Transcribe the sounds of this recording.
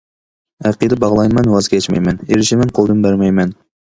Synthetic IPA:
æqid̪ɨbɑʁlˠɑjmɛnwɑzkʲʰɛt͡ʃmɛ̰jmɛneɾɪʃimɛnqʰolˠd̪ɨnbæɾmɛjmɛn

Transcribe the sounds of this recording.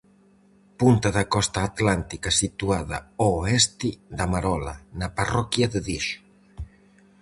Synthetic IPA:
punt̪aðakɔst̪aːt̪lant̪ikasit̪uaða̰oɛst̪id̪amaɾɔla̰naparɔkjaðeðiʃ

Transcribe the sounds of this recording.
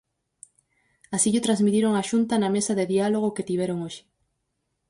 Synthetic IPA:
asiʎʊt̪ɾazmit̪iɾoŋaʃunt̪ɐnɐmesɐðeðialoɣ̞oket̪iβeɾoŋoʃɪ̥

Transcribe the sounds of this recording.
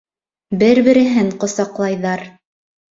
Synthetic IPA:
bɘɾbɘ̆ɾɘ̆ɦɘɴqŏsɑqlˠɑjðɑɾ

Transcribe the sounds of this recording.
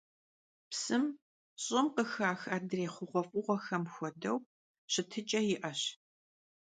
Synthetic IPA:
psɨm | ɕʼɪmqəxaːxaːdreːχʷʊʁʷɔfʼʊʁʷɔxɐmxʷɔdɐw | ɕɪtʰɨt͡ʃʼɐjɪʔɐɕ

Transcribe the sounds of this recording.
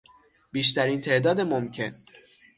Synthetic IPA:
biːʃt̪æɾiːnt̪ʰe̞ʔd̪ɒːd̪emomcʰe̞̰n

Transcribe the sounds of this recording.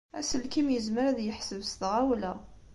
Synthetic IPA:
æ̰səlkimjəzməɾðjəħsəvsθʁæwlæ

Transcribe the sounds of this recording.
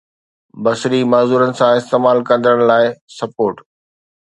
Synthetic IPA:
bɐsɾimaːzuːɾənɪ̆sãɪst̪eːmaːlkɐ̃nd̪əɽ̃laːɪsɐpoːɾʈ

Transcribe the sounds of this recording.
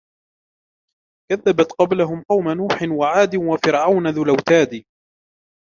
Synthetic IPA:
kaðːabat̪qɑblaɦʊmqɑwmanuːħɪnwaʕaːd̪ɪnwafɪɾʕawnaðʊlawt̪aːd̪i

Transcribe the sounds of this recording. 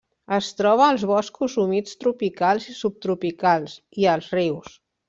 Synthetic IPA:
əst̪ɾɔβ̞əːlˠzβɔskuzumit͡st̪ɾupikalˠzisup̚t̪ɾupikalˠs | iəlˠzriws

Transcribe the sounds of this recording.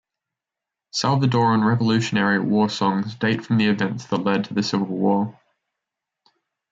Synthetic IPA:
salˠvədɔːɹə̃nɹɛvəlʉˑʃənɛɹiəʔwɔːsɒ̃ŋzdeɪtfɹə̃mðiɪvɛ̃ntsðəʔlɛd̚tʰəðəsɪvəəlˠwɔː

